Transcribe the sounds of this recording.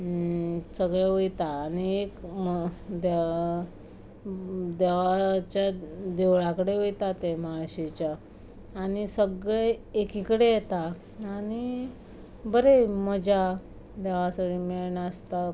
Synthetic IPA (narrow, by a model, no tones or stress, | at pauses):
səɡɭeojt̪aːñiekmd̪e | d̪eʋat͡ɕjad̪eʋɭakəɽeʋojt̪at̪emaɭɕit͡ɕjaː | ɽ̃isəɡɭeːkikəɽejet̪a | añi | bəɾeməd͡ʑa | d̪eʋasaɽimeɭɳaəst̪a